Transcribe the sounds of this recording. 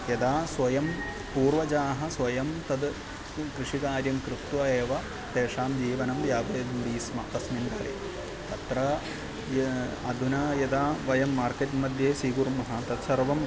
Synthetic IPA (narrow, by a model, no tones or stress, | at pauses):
jɐd̪aːswɐjɐm | puːrʋɐd͡ʒaːɦɐswʋɐjɐmt̪ɐd̪ | kɾɨʂikaːɾjɐmkɾupt̪uɐeːʋɐ | t̪eːʂaːmd͡ʒiːʋɐnɐmjaːbɐɐd̪md̪iːsmɐ̰t̪ɐsmind̪ɐːlḛː | t̪ɐt̪ɾɐ | ɐd̪ʱunɐjɐd̪aːʋɐjɐmːaːrketmɐd̪jeːsiːɡurmɐɦɐt̪ɐt̪sɐrʋɐm